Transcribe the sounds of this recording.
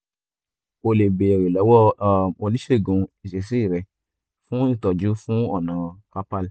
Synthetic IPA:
o˧le˨be˨ɛ˨ɾe˨lɔ˨˦wɔ˦˨o˧li˦ʃe˦˨ɡũ˧i˨ʃe˨si˦i˦˨ɾɛ˨ | fũ˦i˦˨tɔ˨d͡ʒu˨˦fũ˦ɔ˦˨nã˨ka˦pa˦˨l

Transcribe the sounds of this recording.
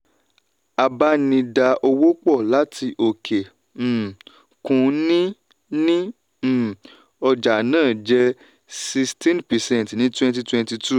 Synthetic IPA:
a˨ba˦nĩ˧da˧o˧wo˦k͡pɔ˦˨la˨˦tʰi˧ʔo˨kʰe˨ | kũ˧nĩ˦ | nĩ˦˨ | ɔ˧d͡ʒa˨nãː˦˨d͡ʒɛ˦ | si˧stĩ˦npɛ˨sɛ̃˦n˨tnĩ˦twɛ̃˧nt̬i˧twɛ̃˧nti˧tʰu˦˨

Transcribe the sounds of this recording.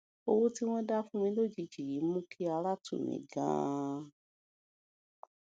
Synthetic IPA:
o˧wu˦ti˦w̃ɔ̃˦da˦fũ˦˧mĩ˧˦lo˦˨d͡ʒi˧d͡ʒi˨ɾi˨˦mũ˦kʰi˦a˧la˦tṵ˦˨mḭ̃˨ɡã̰ː˦

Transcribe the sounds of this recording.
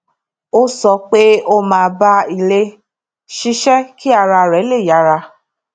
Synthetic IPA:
o˦sɔ˧k͡pe˦o˦mãː˧ba˧i˨le˧ | ʃi˧˦ʃɛ˦ki˦a˦˧ɾa˧˨ɾɛ˨˦le˦˨ja˨˦ɾa˧

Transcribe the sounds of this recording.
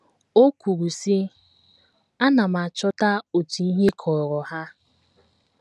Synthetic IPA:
o˦kʷu˨ɾu˨si˦ | a˦na˨ma˨t͡ʃɔ˦ta˦o˨tu˨i˦ɦe˦kʰɔ˨ɾɔ˨ha˦

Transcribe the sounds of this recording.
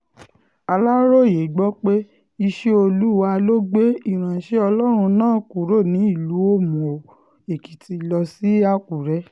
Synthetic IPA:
a˧la˦ɾo˦˨je˨ɡ͡bɔ˦k͡pe˦ | i˧ʃe˦o˧lu˦wa˧lo˦ɡ͡be˦i˦˨ɾ̃ã˨ʃe˦ɔ˧lɔ˦ɾ̃ũ˧nãː˦˨˦ku˨ɾo˦˨nĩ˨˦i˦˨lu˨˦o˦mũ˨ | e˨ki˨ti˧lɔ˧si˦a˧ku˨ɾɛ˦

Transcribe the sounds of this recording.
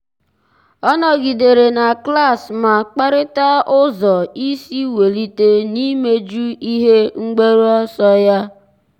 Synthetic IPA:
ɔ˦nɔ˨ɡi˨de˨ɾe˨na˨kla˦˨sma˨k͡pa˦ɾɪ˦ta˦ʊ˦zɔ˨i˦si˦we˨li˦te˦ni˦me˦d͡ʒu˦i˦ɦe˦ŋ͡m̩˦ɡ͡be˦ɾu˦ɔ˦sɔ˦ja˦

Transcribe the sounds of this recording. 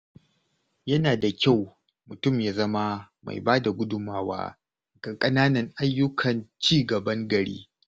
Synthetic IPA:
jɐ˦naː˨da˨kʲa˦˨w | mʊ˨tʊ˦˨mjaː˦zɐ˦ma˦ | ma̰˨jbaː˦da˨ɡʷʊ˦dʊ˨maː˦wa̰ː˦ | ɡ̥a˨kʼɐ˦naː˦nɐ˨ŋʔa˦jːʊ˦kʰɐ˨nt͡ʃiː˦ɡɐ˨bɐ˦ŋɡɐ˨ɽḭː˦

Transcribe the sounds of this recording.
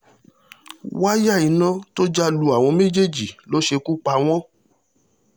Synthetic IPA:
wa˦ja˦˨i˨˦nã˦to˦d͡ʒa˦lu˧a˨w̃ɔ̃˧mẽ˦d͡ʒe˦˨d͡ʒi˨lo˨˦ʃe˧ku˦k͡pa˧w̃ɔ̃˦

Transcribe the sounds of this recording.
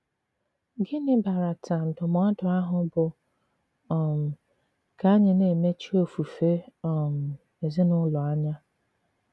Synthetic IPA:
ɡɪ˦nɪ˦ba˨ɾa˨tʰa˨m̩˨dʊ˨mɔ˦dʊ˨a˦ɦʊ˨bʊ˨ | ɔ˨m̩˨ | ka˨˦ɲɪ˨ne˨me˦t͡ʃi˦o˦˨fu˨fe˦ɔ˨m̩˨ | e˨zɪ˦nʊ˦lɔ˨a˦ɲa˦

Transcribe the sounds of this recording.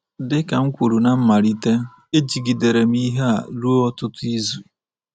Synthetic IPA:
dɪ˦ka˨ŋ̩˦kʷu˨ɾu˨na˨m̩˦ma˨ɾi˦te˦ | e˦d͡ʒi˨ɡi˨de˨ɾe˨m̩˦i˦ɦe˦a̰˨lu˦ɔ˦tʊ˦tʊ˦i˦zu˨

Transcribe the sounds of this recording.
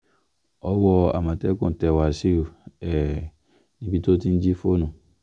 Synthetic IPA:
ɔ˦wɔ˧a̰˨mã˨tɛ˦kũ˦˨tɛ˨wa˨si˦o˨ɛ˨ | nĩ˦bi˧to˦tĩ˦n̩˦d͡ʒi˦fo˦nũ˨

